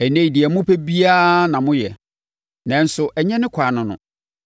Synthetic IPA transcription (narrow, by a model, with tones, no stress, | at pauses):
ɛ˨nẽ˦i˨di˨ɛ˨mʊ̃˦pʰe˦bi˦a˦nã˨mʊ̃˦jɛ˨ | nã˨n̩˦sʊ˨ʔɛ˨ɲɛ̃˦nɪ̃˦kʰa˨nʊ̃˨nʊ̰̃˨